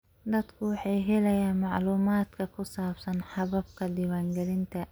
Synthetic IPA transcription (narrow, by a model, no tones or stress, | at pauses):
d̪ɐd̪kʰʊwɑħɑːjɦɛlɛjaːnmɑʕluːmaːd̪kʰɐkʰʊsaːbsɐnħɑβɐbkʰɐd̪iwaːŋɡɛɾɪnt̪ʰɐ